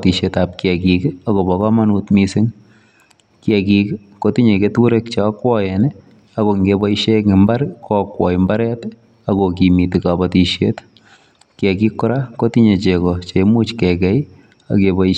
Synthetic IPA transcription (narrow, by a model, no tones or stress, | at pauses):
tiʃetap̚kjɛkikakobɔkamanutmisɪŋ | kjɛkik | kotiɲeketuɾek̚t͡ʃakwɔjɛn | akoŋɡebɔiʃekɪmbaɾkɔkwɔimbaɾɛt | akok̬imitikabatiʃet | kɛkikːʊɾakotiɲet͡ʃekɔt͡ʃemuːt͡ʃkɛkɛj | a̰kebɔi